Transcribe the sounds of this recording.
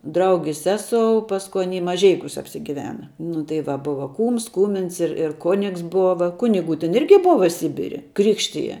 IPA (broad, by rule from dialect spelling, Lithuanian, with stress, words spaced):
ˈdrɐʊɡʲɪs ˈsʲæːsoːʊ ˈpɑːskʊ ˈɑːnʲiː mɐˈʒʲɛɪkʲuːs ɐpʲsʲɪˈɡʲɪʋʲɛnɐ nʊ tɐɪ ˈʋɐ ˈbʊʋɐ ˈkuːms ˈkuːmʲɪns ɪr ɪr ˈkoːnʲɪks ˈboːʋɐ ˈkʊnʲɪɡʊ tʲɛn ˈɪrʲɡʲɪ ˈboːʋɐ ˈsʲɪbʲɪrʲɪ ˈkrʲɪkʃʲtʲɪjɛ